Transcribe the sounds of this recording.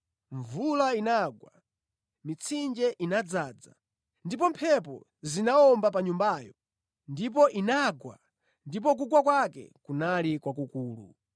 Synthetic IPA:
ɱvulainaɡwa | mit͡sʰind͡ʒɛʔinad͡zaːd͡za̰ | ndip̬ɔmpʰɛpɔ̰ | zinaɔmbapaɲumbajɔ | ndip̬ɔʔinaɡwa̰ | ndip̬ɔk̬uɡwakwakɛ̰kunalikwakukuːlṵ

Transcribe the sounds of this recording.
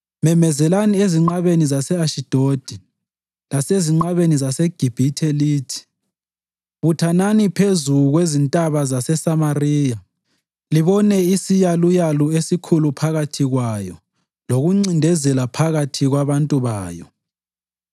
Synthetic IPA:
mɛmɛzɛlanieziŋ͡ǃaβenizasɛaʃid̥ʱod̥ʱi | laseziŋ͡ǃaβenizasɛɡ̥ʱib̥ʱitʰeliːtʰi̥ | βutʰananipʰezuɣwezintʼaβazasɛsamariːja | liβɔnɛisijalujaluesikʰulupʰaɣatʰiɣwajɔ | loɣuŋ͡ǀindʱɛzɛlapʰaɣatʰiɣwaβantʼuβaːjɔ̰

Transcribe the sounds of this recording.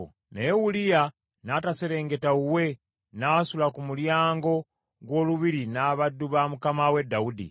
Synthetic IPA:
nejewulija | nataseɾe̞ːŋɡe̞tauwe̞ | nasulakumuljaːŋɡo̞ | ɡwo̞ːluβiɾinaːβadːuβamukamawe̞dːaudḭ

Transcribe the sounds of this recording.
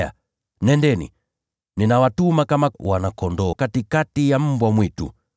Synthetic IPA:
a̰ | nɛndɛnḭ | ninawatumakamawanakɔndɔkatikatijam̩bwamwitṵ

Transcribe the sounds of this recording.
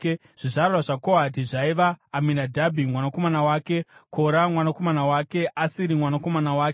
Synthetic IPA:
ʐ̥iʐarraʐako̞adiʐaiʋaːminadʱabʱimwanako̞manawaːke̞kʰo̞ɾamwanako̞manawaːke̞ʔasiɾimwanako̞manawaːke

